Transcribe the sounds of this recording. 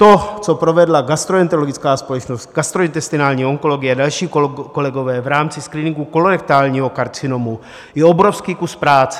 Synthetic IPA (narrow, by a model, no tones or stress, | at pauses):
t̪o̞t͡so̞pɾovɛdlaɡast̪ɾoɛnt̪oloɡɪt͡skaːspo̞lɛt͡ʃnost̪ɡast̪ɾoint̪ɛst̪ɪnaːlɲiːoŋko̞lo̞ɡɪjɛadalʃiːko̞lɛɡo̞vɛːvɾaːmt͡sɪskɾiːnɪŋɡuko̞loɾɛk̚t̪aːlɲiːɦo̞kaɾt͡sɪno̞mu | jɛobɾofskiːkuspɾaːt͡sɛ̥